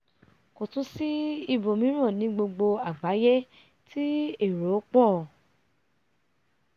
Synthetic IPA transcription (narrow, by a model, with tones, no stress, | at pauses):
ko˨tũ˨˦si˦i˧bo˨mĩ˨˦ɾ̃ã˦˨nĩ˨˦ɡ͡bo˧ɡ͡bo˧a˨ɡ͡ba˨˦jɛ˦ | tʰi˦e˦˨ɾo˨˦k͡pɔ˦˨